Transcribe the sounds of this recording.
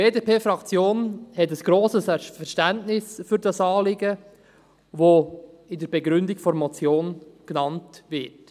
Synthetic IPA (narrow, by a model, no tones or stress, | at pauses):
eːdeːpeːfɾɑkt͡sjoːnhɛtəsɡ̥ɾoːsəsɛfɛɾʃtæntnɪsfyɾdɑsɑːlɪɡə | vo | ɪdəɾbɛɡɾʏndɪkfɔɾmɔt͡sjoːnknɑntvɪt